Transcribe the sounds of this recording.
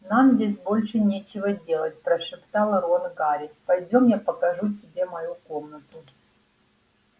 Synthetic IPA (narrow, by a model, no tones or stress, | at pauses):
namzʲdʲes̬ʲbo̞lʲʂɨnʲet͡ɕɪvədʲelˠətʲpɾɐʂɨpt̪alˠɐɾonɡaɾʲɪpɐjdʲomjapɐkɐʐut̬ʲɪbʲemɐjukomnət̪ʊ